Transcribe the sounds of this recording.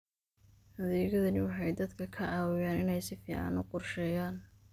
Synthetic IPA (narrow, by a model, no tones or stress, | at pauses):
hɐðɛːɣɐðɐnɪwɑħɑjd̪ɐd̪kʰɐkʰɐʕɑːwɪjaːnɪnɛjsɪfiːʕɑ̰nʊqʊrʃɛːjaːn